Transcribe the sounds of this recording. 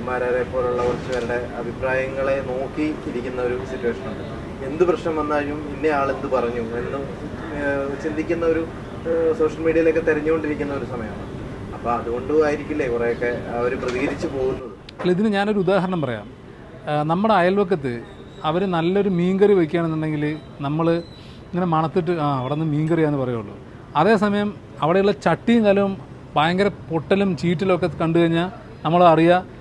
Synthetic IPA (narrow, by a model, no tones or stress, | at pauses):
ɐmːaːɾaðepːo̞ːluɭːɐkurɐt͡ɕːuʋɐɾuɽe̞ɐbʱipɾaːjɐŋːɐɭeno̞ːkːiːɾikʲːunːɐoɾusitːuwɐʂɐnuɳɖɨ | e̞nd̪uprɐɕnɐmʋɐnːaːɻijuminːe̞aːɭe̞nd̪ɨpɐrɐɲːuenːum | t͡ɕind̪ʱikʲːunːɐoɾu | so̞ːʂɐlmiːɽiɐjilo̞kːe̞t̪eɾɐɲːuko̞ɳɖiɾik̬ʲːunːɐo̞ɾusɐmɐjɐmɐɳ | ɐpːoːɐðuɣo̞ɳɖɨaːjiɾikʲːulːekureːjokːe̞ɐʋɐɾuprɐðiɣɐɾit͡ɕːɨpo̞ːɣunːuðɨ | liðinɨɲaːno̞ɾuud̪aːɦɐɾɐɳɐmpɐrɐja̰ːm | nɐmːɐɽeɐjɐlʋok̬ːɐt̪̬ːɨ | ɐʋɐɾunɐlːɐo̞ɾumiːŋɡɐriʋɐkʲːjaːɳenːuɳɖe̞ŋɡil | nɐmːɐɭ | iŋːɐne̞mɐɳɐt̪ːiʈ̬ːɨaːɐʋiɽenːɨmiːŋɡɐrijaːnːɨpɐrɐjuːuɭːṵ | ɐðe̞ːsɐmɐjɐm | ɐʋiɽeuɭːɐt͡ɕɐʈːijuŋkaːlɐmum | baːjɐŋɡɐɾɐpo̞ʈːɐlumt͡ɕiːʈːɐlokːɐt̪ːɨkɐɳɖɨkɐiɲːaː | nɐmːɐɭɐɽijɐ